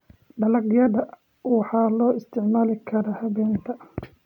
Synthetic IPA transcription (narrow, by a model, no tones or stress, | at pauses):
ɖɐlɐɡjɐðɐ | wɑħɑːlɔːɪst̪ʰɪʕmaːlɪkʰɐɾɐhɐβɛːnt̪ʰɐ